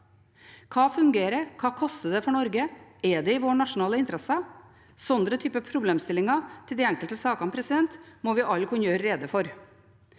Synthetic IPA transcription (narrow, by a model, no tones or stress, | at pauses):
kʰɑːfʉŋɡeːɾəkʰɑːkʰɔst̪əd̪ɛfɔɳɔɾɡəɛd̪ɛɪʋoːɳɑʂʊnɑːləɪnt̪əɾɛsə | sɔnd̪ɾət̪ʰyːpəpʰɾʊbleːmst̪ɪlɪŋɑt̪ʰɪld̪ɪɛŋkəlt̪əsɑːkɑnpʰɾɛsɪd̪ɛnt̪mɔʋɪʔɑlkʰʊnjøːɾːeːd̪əfɔɾ